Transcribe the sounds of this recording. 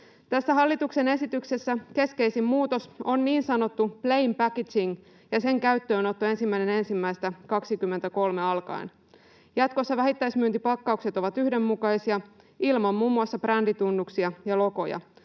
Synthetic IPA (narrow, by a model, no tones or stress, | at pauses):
t̪æsːæɦɑlːit̪ukse̞ne̞sit̪ykse̞sːæke̞ske̞isimmuːt̪o̞so̞nniːnsɑno̞t̪ːupleimpækisiŋ | jɑse̞ŋkæyt̪ːø̞ːno̞t̪ːuensimːæine̞nensimːæist̪ækɑksikymːe̞nt̪æko̞lme̞ɑlkɑ̰in | jɑt̪ko̞sːɑʋæɦit̪ːæismyøːnt̪ipɑkːɑukse̞t̪o̞ʋɑt̪yhde̞mːukɑisiɑ | ilmɑmmuːmːuɑsːɑbrændit̪unːuksiɑjɑlo̞ko̞jɑ̰